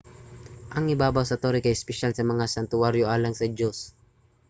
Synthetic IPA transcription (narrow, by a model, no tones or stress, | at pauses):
ʔɐŋɪbaːbawsɐt̪oɾɪkɐjɪspɛʃalsɐmɐŋasɐnt̪ʊaɾjoʔaːlɐŋsɐd͡ʒos